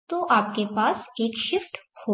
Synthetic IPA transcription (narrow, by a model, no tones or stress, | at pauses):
t̪oʔaːp̚kepaːseːkʃɪfʈho